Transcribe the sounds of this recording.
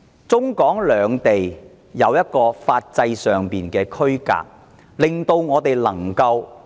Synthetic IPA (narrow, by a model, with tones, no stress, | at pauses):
t͡sʊ˥ŋkɔː˨˥ŋlœː˨˧˥ŋt̪e˨j | jɐ˨˧wjɐ˥t̚kɔː˧faː˧t̚t͡sɐ˧jsœː˨ŋpiː˨˩nkɛː˧kʰɵ˥ɥka̰ː˧k̚ | lɪ˨˩ŋt̪o˧wŋɔː˨˧t̪e˨jlɐ˨˩ŋkɐ˧w